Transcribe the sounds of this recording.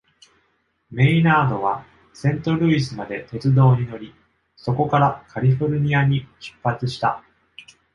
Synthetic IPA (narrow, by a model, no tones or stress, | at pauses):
me̞inaːd̪o̞β̞a | sẽ̞nt̪o̞ɾʲɯ̟isɨmad̪e̞t̪e̞t͡sɨd̪o̞ːɲ̟ino̞ɾʲi | so̞ko̞kaɾakʰaɾʲiɸo̞ɾɯ̟ɲ̟iaɲ̟iɕi̥pːat͡sɨɕi̥t̪a